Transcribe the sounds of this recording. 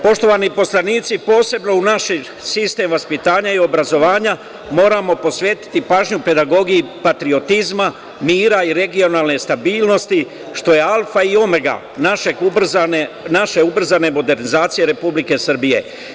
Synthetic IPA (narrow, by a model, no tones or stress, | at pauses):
po̞ʃt̪o̞ʋanipo̞slˠaniːt̪sipo̞ːse̞bno̞unaʃi | sist̪e̞mʋaspit̪aːɲaio̞bɾazo̞ʋaːɲa | mo̞ːɾamo̞po̞sʋe̞ːt̪i̥t̪ipaːʒɲupe̞d̪aɡo̞ɡijipat̪ɾio̞t̪izma | miːɾaiɾe̞ɡio̞naːlne̞st̪abiːlˠno̞st̪i | ʃt̪o̞je̞alfaio̞mɡa̰ | naʃeɡubr̩zane | naʃe̞ubr̩zane̞mo̞d̪e̞ɾnizaːt̪sije̞ɾe̞publike̞sr̩bije̞̰